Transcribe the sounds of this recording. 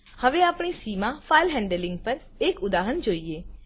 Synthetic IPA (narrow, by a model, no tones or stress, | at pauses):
həʋeaːpɳ̃isimãfailɦɛ̃ɳɖəlɪ̃ŋɡ̚pəɾ | ekʊd̪aɦənd͡ʒoːie